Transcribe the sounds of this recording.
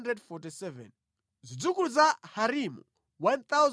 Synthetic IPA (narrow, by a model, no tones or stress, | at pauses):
ndɾɛdfɔtisɛvɛ̰n | zʷid͡zukulud͡zahaɾimṵ | want̪az